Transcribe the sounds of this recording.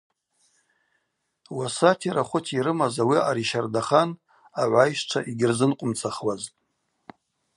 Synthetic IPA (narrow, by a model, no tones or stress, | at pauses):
wasatʰiɾaχʷʊtʰiɾɨmazawiaɾiʃardaχan | aʕʷajʃʈ͡ʂʷʰaʔiɡʲɪrzɨnqʷʼʊmt͡sʰaχwaztʼ